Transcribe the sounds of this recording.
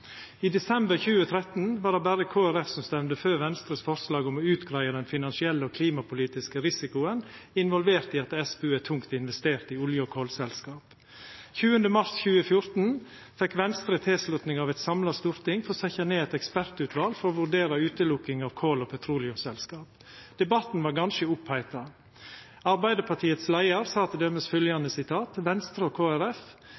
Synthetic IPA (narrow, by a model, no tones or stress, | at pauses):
iːd̪ɛsɛmbəɾçʉːət̪ʰɾɛt̪n̩ʋɑːɖ̪ɛbæɾəkʰoːæɾɛfsɔmst̪ɛmnd̪əføːɾʋɛnst̪ɾəsfɔɾslɑːɡɔmɔʉːt̪ɡɾæɪəd̪ɛnfɪnɑnsɪɛlːəoːkʰliːmɑpʰʊliːt̪ɪskəɾɪsɪkʊən | ɪnʋɔlʋeːɾt̪ɪːɑt̪ɛsbʉːæt̪ʰʊŋkt̪ɪnʋɛst̪eːɾt̪ɪʊljəɔkʰoːlsɛlskɑːp | çʉːənd̪əmɑɾsçʉːəfjʊɾt̪n̩ | fɛkʋɛnst̪ɾət̪ʰeːslʉt̪nɪŋɑːʋɛt̪sɑmlɑst̪uːɾt̪ɪŋfɔɾsɛçɑneːɛt̪ɛkspæɾt̪ʉt̪ʰʋɑlfɔɾoːʋʉɾɖeːɾɑʉːt̪əlʊkːɪŋɑʋkʰoːlopʰɛt̪ʰɾuːlɪʊmsɛlskɑːp̚ | d̪̥ɛbɑt̪n̩ʋɑːɾɡɑnʃəʊphæɪt̪ɑ | ɑɾbæɪd̪əpʰɑʈʰiːət̪slæɪəɾsɑːt̪ʰəd̪eməsfœljɑnəsɪt̪ʰɑːt̪ʋɛnst̪ɾəoːkʰoːæɾɛf